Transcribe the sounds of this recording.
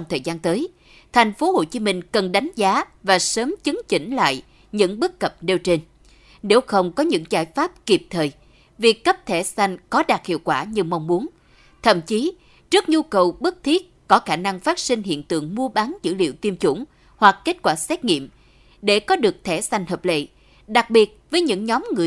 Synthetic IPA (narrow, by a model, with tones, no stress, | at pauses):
wŋ͡mt̪ʰəː˨˩jzaː˧nt̪əː˨˦j | t̪ʰjŋ̟fo˨˦ho̰˧˨t͡ɕi˨˦mï˧ŋ̟kə˨˩nɗa˨˦jŋ̟zaː˨˦vaː˨˩səː˨˦mt͡ɕɨ˨˦ŋt͡ɕḭ˧˩ŋ̟la̰ː˧˨j | ɲɨ̰˧˥ŋɓɨ˦˥kːə˨˩p̚ne˧wt͡ɕe˧n | ne˨˦wxə˧wŋ͡mkɔ˨˦ɲɨ̰˧˥ŋzaː˧˩jfaː˦˥p̚ki˨˩p̚t̪ʰəː˨˩j | vi˨˩kːə˦˥p̚t̪ʰɛ˧˩sa˧jŋ̟kɔ˨˦ɗaː˨˩t̚hḭ˧˨əwkwaː˧˩ɲɨ˧ma˧wŋ͡mmu˨˦ən | t̪ʰə̰˧˨mt͡ɕi˨˦ | zɨ˦˥k̚ɲu˧kə˨˩wɓɨ˦˥k̚t̪ʰi˦˥ət̚kɔ˨˦xaː˧˩na˧ŋfaː˦˥t̚sï˧ŋ̟ɦḭ˧˨ənt̪ɨ̰˧˨əŋmu˧əɓa˨˦nzɨ̰˧˥lḭ˧˨əwt̪i˧mt͡ɕʊ˧˩ŋ͡m | hwa˨˩k̚kːe˦˥t̚kwaː˧˩sɛ˦˥t̚ŋḭ˧˨əm | ɗe˧˩kɔ˨˦ɗɨ˨˩ək̚t̪ʰɛ˧˩sa˧jŋ̟həː˨˩p̚lḛ˧˨ | ɗa˨˩k̚ɓi˨˩ət̚vəː˨˦jɲɨ̰˧˥ŋɲɔ˨˦mŋɨ˨˩